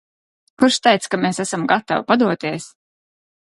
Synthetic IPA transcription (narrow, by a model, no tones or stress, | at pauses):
kuɾʃt̪ɛjt̪skameːsæsamɡat̪a̰wpad̪uɔt̪iɛs